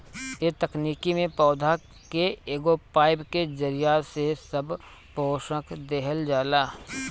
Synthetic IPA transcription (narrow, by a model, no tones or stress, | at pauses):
et̪ɐkniːkimẽpɔːd̪ʱa | keeːɡopaːɪbked͡ʒəɾɪjasesɐb | poːʃəkd̪eɦəld͡ʒaːlaː